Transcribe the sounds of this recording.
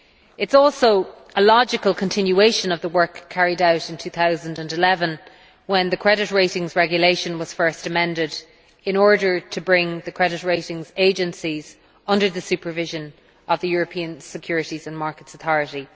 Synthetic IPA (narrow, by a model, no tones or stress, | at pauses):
ɪtsɔlˠsoʊʔəlɑd͡ʒɪkəlˠkʰə̃ntʰɪ̃njueɪʃə̃nʌvðəwɜ˞kʰːaɹiɾaʊɾɪ̃ntʰʉθaʊzə̃ndə̃ndɪlɛvə̃n | wə̃nðəkʰɹ̥ɛɾɪt̚ɹeɪɾɪ̃ŋzɹɛɡjəleɪʃə̃nwɒz̥fɜ˞stəmɛ̃ndɪd | ɪ̃nɔɹɾə˞tʰəbɹɪ̃ŋðəkʰɹ̥ɛɾɪt̚ɹeɪɾɪ̃ŋzeɪd͡ʒə̃nsiz̥ | ʌ̃ndə˞ðəsʉpə˞vɪʒə̃n | əvðəjʊːɹəpʰĩə̃nsɪkʰj̥ʊːɹɨɾizə̃nmaɹkətsəθɔɹəɾi